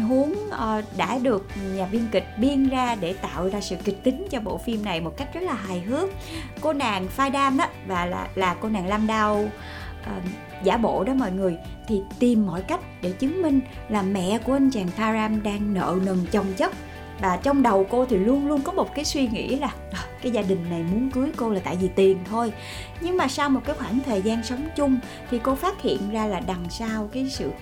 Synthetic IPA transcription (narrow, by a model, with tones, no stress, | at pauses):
ɦu˨˦əŋʔə˨˩ɗa̰ː˧˥ɗɨ˨˩ək̚ɲaː˨˩vi˧ənkï˨˩k̟̚ɓi˧ənzaː˧ɗe˧˩t̪a̰ː˧˨wzaː˧sɨ̰˧˨kï˨˩k̟̚t̪ï˨˦ŋ̟t͡ɕɔ˧ɓo̰˧˨fi˧mna˨˩jmo˨˩t̚ka˦˥jk̟̚zə˦˥t̚laː˨˩ɦaː˨˩jɦɨ˨˦˥ək̚ː | o˧naː˨˩ŋfaː˧jɗaː˧mɗa˨˦vaː˨˩la̰ː˨˩laː˨˩ko˧naː˨˩ŋlaː˧mɗa˧w | ʔəː˨˩ | za̰ː˧˩ɓo̰˧˨ɗɔ˨˦mɔ̰˧˨jŋɨ˨˩əj | t̪ʰi˨˩t̪i˨˩mːɔ̰˧˨jka˦˥jk̟̚ɗe˧˩t͡ɕɨ˨˦ŋmï˧ŋ̟ | laː˨˩mɛ̰˧˨ku˧˩əʔə˧nt͡ɕaː˨˩ŋt̪ʰaː˧zaː˧mɗaː˧ŋnə̰ː˧˨nə˨˩nt͡ɕə˨˩wŋ͡mt͡ɕə˦˥t̚ | vaː˨˩t͡ɕɔ˧wŋ͡mɗə˨˩wko˧t̪ʰi˨˩lu˧ənlu˧ənkɔ˨˦mo˨˩t̚kaː˨˦jswi˧ŋḭ˧˥laː˨˩ʔkaː˨˦jzaː˧ɗï˨˩ŋ̟na˨˩jmu˨˦ənkɨ˨˦əjko˧laː˨˩t̪a̰ː˧˨jvi˨˩t̪i˨˩ənt̪ʰo˧j | ɲɨ˧ŋmaː˨˩saː˧wmo˨˩t̚kaː˨˦jxwaː˧˩ŋt̪ʰəː˨˩jzaː˧nsə˨˦wŋ͡mt͡ɕʊ˧ŋ͡m | t̪ʰi˨˩ko˧faː˦˥t̚hḭ˧˨ənzaː˧laː˨˩ɗa˨˩ŋsaː˧wkaː˨˦jsɨ̰˧˨